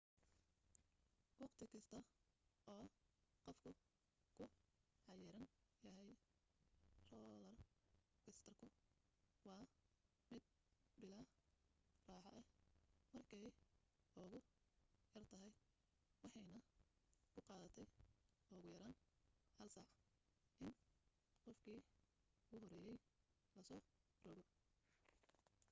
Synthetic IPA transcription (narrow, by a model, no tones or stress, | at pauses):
wɑqt̪ʰɪkʰɐst̪ʰɐɔːqɔfkʰʊ | kʰʊʕɑjɛɾɐnjɐɦɛj | rɔːlɐrkʰɪst̪ʰɐrkʰʊ | wɑː | mɪd̪̚ | bɪlaː | raːħɑʔɛmɐrkʰɛj | ɔːɣʊ | jɐrt̪ʰɐɦɛj | wɑħɑjnɐkʰʊqɑːðɐt̪ʰɛj | ɔːɣʊjɐɾaːnhɐlsɑʕ | ʔɪn | qɔfkʰiː | ɡʊɦɔɾɛːjɛj | lɐsɔː | rɔɡɔ